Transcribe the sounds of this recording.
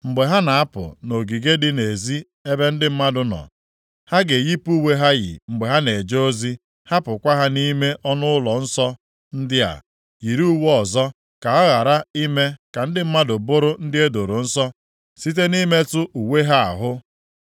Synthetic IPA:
ŋ͡m̩˨ɡ͡be˨ɦa˦na˨a˦pʊ̰˨no˨ɡi˨ɡe˦dɪ˦ne˨zi˦ | e˦be˦n̩˦dɪ˦m̩˦ma˦dʊ˨nɔ̰˨ | ha˦ɡe˨ji˦pu˦we˦ɦa˦ɣɪ̰˨ŋ͡m̩˨ɡ͡be˨ɦa˦ne˨d͡ʒo˦o˦zi˦ | ha˦pʊ˨kʷa˦ɦa˦ni˦me˦ʔɔ˦nʊ˦ʊ˦lɔ˨n̩˦sɔ˦ | n̩˦dɪ˦a̰˨ | ji˨ɾu˦u˦wɔ˨zɔ˦ | ka˨a˦ɣa˨ɾa˦i˦me˦ka˨n̩˦dɪ˦m̩˦ma˦dʊ˨bʊ˦ɾʊ˦n̩˦dɪ˦e˦do˨ɾo˨n̩˦sɔ˦ | si˦t̬e˦ni˦me˦tʊ˦ʔu˨we˦ɦa˦a̰˨ɦʊ˦

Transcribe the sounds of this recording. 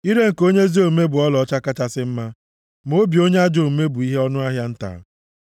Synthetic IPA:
i˦ɾe˦ŋ̩˨ko˦ɲe˦zi˦o˨me˦bʊ˨ɔ˦lɔ˦t͡ʃa˦ka˦t͡ʃa˦sɪ˦m̩˦ma˦ | mo˦bi˨o˦ɲe˦a˦d͡ʒo˨me˦bʊ˨i˦ɦe˦ɔ˦nʊ˦a˦ɦja˦n̩˦ta̰ː˨˦

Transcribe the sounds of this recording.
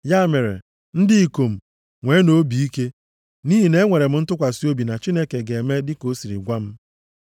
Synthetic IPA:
ja˦me˨ɾḛ˨ | n̩˦dɪ˦i˨ko˨m̩˨ | ŋʷe˨˦no˦bi˨i˦ke˦ | ni˦ɦi˨ne˦ŋʷe˨ɾe˨m̩˦n̩˦tʊ˦kʷa˨si˦o˦bi˨na˨t͡ʃi˦ne˦ke˨ɡe˨me˦dɪ˦ko˦si˨ɾḭ˨ɡʷa˦m̩˦

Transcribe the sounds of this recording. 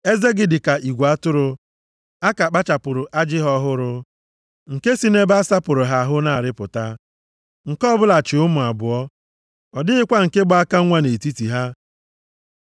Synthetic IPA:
e˦ze˦ɡɪ˨dɪ˨ka˨ʔi˨ɡʷa˦tʊ˦ɾʊ˦ | a˦ka˨k͡pa˦t͡ʃa˨pʊ˨ɾʊ˨ʔa˦d͡ʒɪ˦ɦɔ˦ɦʊ˦ɾʊ˦ | ŋ̩˨ke˦si˦ne˦ba˦sa˦pʊ˨ɾʊ˨ɦa˦˨ɦʊ˦na˦˨a˨ɾɪ˦pʊ˨ta˦ | ŋ̩˨kɔ˦bʊ˦la˨t͡ʃɪ˨ʊ˦mʊ˨a˨bʊ˨ɔ˦ | ɔ˨dɪ˦ɪ˦kʷa˦ŋ̩˨ke˦bʊ˦a˦ka˦ŋʷa˦ne˨ti˦ti˨ɦa˦

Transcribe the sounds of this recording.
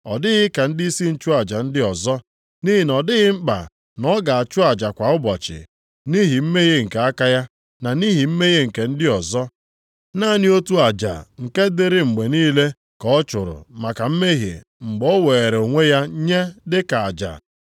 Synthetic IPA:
ɔ˨dɪ˦ɣɪ˦ka˨n̩˦dɪ˦i˦si˦n̩˦t͡ʃʊ˦a˨d͡ʒa˨n̩˦dɪ˦ɔ˨zɔ˦ | ni˦ɦi˨nɔ˨dɪ˦ɣɪ˦ŋ͡m̩˦k͡pa̰˨ | nɔ˦ɡa˨a˨t͡ʃʊ˦a˨d͡ʒa˨kʷa˨ʊ˦bɔ˨t͡ʃɪ̰˨ | ni˦ɦi˨m̩˦me˦ɣe˦ŋ̩˨ka˨a˦ka˦ja˦ | na˨ni˦ɦi˨m̩˦me˦ɣe˦ŋ̩˨ke˨n̩˦dɪ˦ɔ˨zɔ˦ | na˦nɪ˦o˦tu˦a˨d͡ʒa̰˨ŋ̩˨ke˦dɪ˦ɾɪ˦ŋ͡m̩˨ɡ͡be˨niː˦le˦ | kɔ˦ɔ˦t͡ʃʊ˨ɾʊ̰˨ma˨ka˨m̩˦me˦ɦjḛ˨ | ŋ͡m̩˨ɡ͡bɔ˦we˨e˨ɾe˨o˨ŋʷe˦ja˦ɲe˦dɪ˦ka˨a˨d͡ʒa̰˨

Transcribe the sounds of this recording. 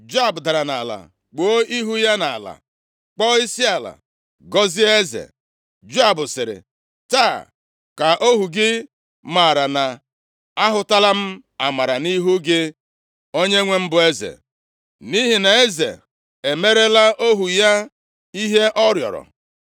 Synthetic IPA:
d͡ʒʊ˦a˦˨bʊ˨da˨ɾa˨na˨la̰˨ | k͡po˦i˦ɦu˦ja˦na˨la̰˨ | k͡pɔ˦i˦si˦a˨la̰˨ | ɡɔ˦zi˦e˦zḛ˨ | d͡ʒa˦˨bʊ˨sɪ˨ɾɪ̰˨ | taː˦˨ | ka˨ʔo˦ɦu˨ɡɪ˦ | ma˨ɾa˨na˨ | a˦ɦʊ˨ta˦la˦m̩˦ | a˨ma˨ɾa˨ni˦ɦu˦ɡɪ˦ | o˦ɲe˦ŋʷe˦m̩˦bʊ˨e˦zḛ˨ | ni˦ɦi˨na˨e˦zḛ˨ | e˨me˦ɾe˦la˦ʔo˦ɦu˨ja˦ | i˦ɦe˦ʔɔ˦ɾjɔ̰˨ɾɔ̰˨

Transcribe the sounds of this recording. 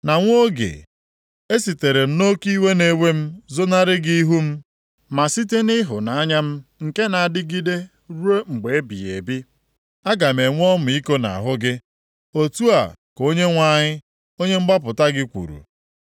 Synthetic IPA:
na˨ŋʷ˦o˦ɡḛ˨ | e˦si˨te˨ɾe˨m̩˦no˦ki˦we˦ne˨we˦m̩˦zʊ˦na˦ɾɪ˦ɡi˦i˦ɦu˦m̩˦ | ma˨si˦te˦nɪ˦ɦʊ̰˨na˨a˦ɲa˦m̩˦ŋ̩˨ke˦na˨a˨dɪ˦ɡi˦de˦ | ɾu˦e˦ŋ͡m̩˨ɡ͡be˨e˦bḭ˨ḛ˨bi˦ | a˦ɡa˨me˨ŋʷ˦ɔ˦mʊ˨i˦ko˦na̰˨ɦʊ˦ɡɪ˦ | o˦tu˦a̰˨ko˦ɲe˦ŋʷa˦˨ɲɪ˦ | o˦ɲe˦m̩˦ɡ͡ba˦p̬ʊ˨ta˦ɡɪ˦kʷṵ˨ɾṵ˨

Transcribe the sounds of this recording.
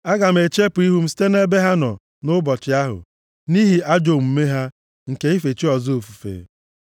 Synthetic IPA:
a˦ɡa˨m̩˨˦e˨t͡ʃe˦pʊ˨i˦ɦu˦m̩˦si̥˦te˦ne˦be˦ɦa˦nɔ̰˨ | nʊ˦bɔ˨t͡ʃɪ˨a˦ɦʊ̰˨ | ni˦ɦi˨a˦d͡ʒo˨m̩˨˦me˦ɦa˦ | ŋ̩˨ke˦i˦fe˨t͡ʃi˦ɔ˨zo˨fu˨fḛ˨

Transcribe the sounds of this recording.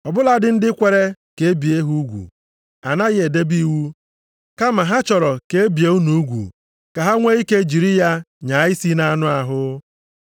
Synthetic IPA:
ɔ˨bʊ˦la˦dɪ˦n̩˦dɪ˦kʷe˨ɾe˦ke˨e˦bi˨e˦ɦu˦ɡʷṵ˨ | a˨na˦ɣɪ˦e˨de˦bi˦wu˦ | ka˦ma˨ɦa˦t͡ʃɔ˨ɾɔ˨ke˨˦e˦bi˨e˨u˦nu˨u˦ɡʷṵ˨ | ka˨ɦa˦ŋʷe˦i˦ke˦d͡ʒi˨ɾi˦ja˦ɲa˨˦ɪ˦si˦na˦nʊ˦a˨ɦʊ˦

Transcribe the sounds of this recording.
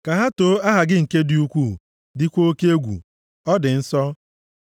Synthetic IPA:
ka˨ɦa˦toː˦a˦ɦa˨ɡɪ˦ŋ̩˨ke˦di˦u˦kʷu˦˨ | dɪ˦kʷo˦ke˦e˦ɡʷṵ˨ | ɔ˦dɪ˨n̩˦sɔ˦

